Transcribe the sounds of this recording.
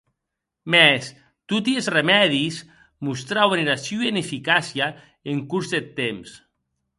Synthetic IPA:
mɛs | t̪ut̪iezremɛðis | must̪ɾawβeneɾasjoenefikasia | eŋkuɾzðet̪ems

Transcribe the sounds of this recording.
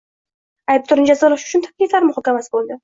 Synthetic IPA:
ajp̚t̪ʰʊɾɪnd͡ʒazɒlˠaʃʊ̥t͡ʃʰʊnt̪ʰḁklʲiflaɾmʊhɒkʲamasɪ̥bolˠd̪ɪ

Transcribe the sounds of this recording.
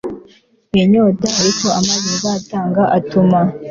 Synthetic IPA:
eɲoːtaaɾiko̞amaβizataːŋɡaʔatuma

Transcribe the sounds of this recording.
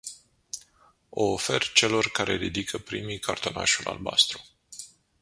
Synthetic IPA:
o̞ːfe̞rt͡ʃe̞lo̞rkaɾe̞ɾid̪ikʰəpɾimijkʰart̪o̞na̰ʃulʔa̰lba̰st̪ɾu

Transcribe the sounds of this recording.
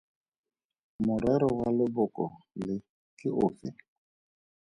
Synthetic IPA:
mʊɾɛɾɔwalɪbʊkɔlɪ | kɪʔofɪ

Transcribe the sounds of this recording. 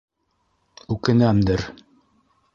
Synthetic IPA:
ʉkɘ̆næmd̪ɘɾ

